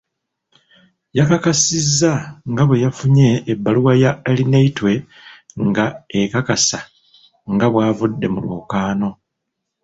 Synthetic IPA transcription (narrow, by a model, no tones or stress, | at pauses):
jakakasizːaŋɡaβwe̞jafuɲe̞ːbːaluwajaelineitwe̞ | ŋɡaekakasa | ŋɡaβwaːvudːe̞mulwoːkaːno̞